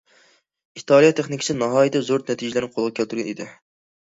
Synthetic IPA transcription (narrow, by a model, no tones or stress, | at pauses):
it̪ʰɑlˠijɑt̪ʰeχnɪkʰʲi̥sɪnɑɦɑːjit̪ʰɛzoɾnɛt̪ʰid͡ʒɪlæɾnɪqʰolˠʁɑkʰʲælt̪yɾɡʲɛnid̪ɪ̰